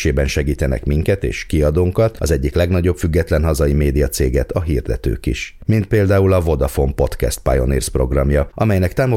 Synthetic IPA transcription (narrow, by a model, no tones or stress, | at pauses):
eːbɛnʃɛɡiːt̪ɛnɛ̰kmiŋkɛt̪ḛːʃkiɒd̪oːŋkɒt̪ɒzɛɟːiklɛɡnɒɟo̞pfyɡːɛt̪lɛnɦɒzɒjimeːd̪ijɒt̪seːɡɛt̪ɒɦiːrd̪ɛt̪ø̰ːkḭʃmint̪̚peːld̪aːulɒvo̞d̪ɒfo̞mpo̞t̪kɛ̰st̪̚pa̰jo̞nḭːrspro̞ɡrɒmjɒʔɒmɛjnɛkt̪aːmo